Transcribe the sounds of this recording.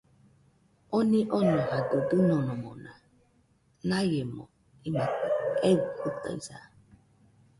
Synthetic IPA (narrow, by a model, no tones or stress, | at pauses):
oniʔonɔɦadodɨnɔnɔmɔ̰na | najemɔ̰ | imaewuhuta̰iza̰